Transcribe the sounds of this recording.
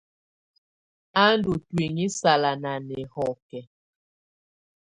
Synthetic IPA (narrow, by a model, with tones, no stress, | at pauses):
a˦n˦du˨twi˨ŋi˦sa˨la˨na˨nɛ˨hɔ˦˨kɛ˨